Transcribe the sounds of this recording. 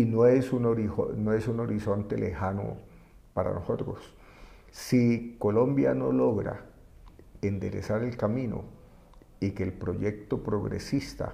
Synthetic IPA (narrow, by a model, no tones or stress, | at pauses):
inoesunoɾionoesuno̞ɾiso̞nt̪e̞lehano̰ | paɾa̰noso̞t̪ɾos | siko̞lo̞mbja̰no̞lo̞ɣɾa̰ | end̪e̞̰ɾḛsaɾe̞lkamĩno̰ | ikeːlpɾo̞ʝek̚t̪o̞pɾo̞ɣɾḛsist̪a̰